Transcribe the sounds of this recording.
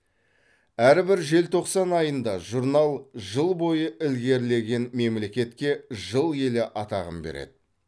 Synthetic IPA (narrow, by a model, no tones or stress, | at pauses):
æɾbɪɾʒe̞lt̪ʰo̞qsɑnɑjənd̪ɑʒuɾnɑlˠʒəlˠbo̞jəʔɪlɡʲe̞ɾle̞ɡʲe̞nme̞mle̞kʲe̞t̪kʲe̞ʒəlˠje̞lɪʔɑt̪ɑʁə̰mbeɾḛd̪̥ɪ